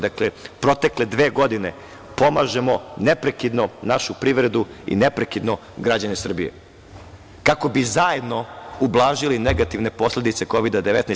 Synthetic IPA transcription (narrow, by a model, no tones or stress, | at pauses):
d̪aklepɾo̞t̪e̞kle̞d̪ʋeːɡo̞d̪ine̞ | po̞maʒe̞mo̞nepɾekid̪nonaʃupɾiːʋɾe̞d̪uḭnepɾekid̪no | ɡɾad͡ʑanesr̩bije̞̰ | kako̞bizaje̞d̪no̞ublˠaːʒilineɡat̪iʋne̞po̞sle̞d̪it̪se̞ko̞ʋid̪ad̪eʋet̪ne